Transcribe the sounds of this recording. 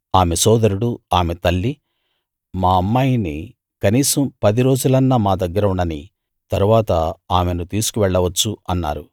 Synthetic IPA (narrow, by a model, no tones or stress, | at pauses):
aːmesɔːd̪ɐɾuɽuaːmet̪ɐlːi | maːɐmːaːjini | kɐniːsɐmpɐd̪iɾo̞ːd͡ʒulɐnːɐmaːd̪ɐɡːɐɾɐuɳːɐni | t̪ɐɾuʋaːt̪ɐaːme̞nut̪iːsu̥kuʋɛɭːɐʋɐt͡ʃːuɐnːa̰ːɾu